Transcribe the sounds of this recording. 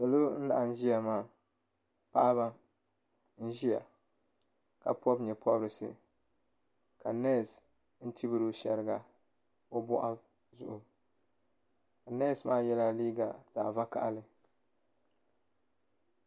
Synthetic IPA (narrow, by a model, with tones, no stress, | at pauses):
sa˨lo˦n̩˦la̰˨ʔa˨n̩˦ʒi˦ja˨maː˨ | pa˦ʔa˦βa˦ | n̩˦ʒi˦ja̰˨ | ka̰˨pʰɔ˦bɲɛ˨pʰɔ˦bɾɨ˨sɨ̰˨ | ka˨nɛ˦˨s | n̩˦tʰi˦bɨ˦ɾʊ˦ʃɛ˨ɾɨ˦ɡa˨ | o˦bɔ̰˦ʔa˦ | zʊ˦˨ʔʊ˨ | ka˨nɛ˦˨smaː˦jɛ˦la˦liː˦ɡa˨z̥aː˨va˦ka̰˨ʔa˨lɨ˦